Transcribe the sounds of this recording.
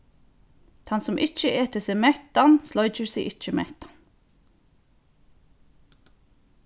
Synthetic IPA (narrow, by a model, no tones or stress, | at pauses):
t̪ʰɑnsɔmʔɪc͡çəʔeːt̪ʰəseːmɛt̪ɑnslɔʏd͡ʒəɹsḭʔɪc͡çəmɛ̰t̪ɑ̥n